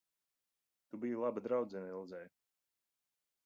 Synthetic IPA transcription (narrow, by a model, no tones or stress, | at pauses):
t̪ubijulˠabad̪ɾawd̪zɛnailˠd̪zɛj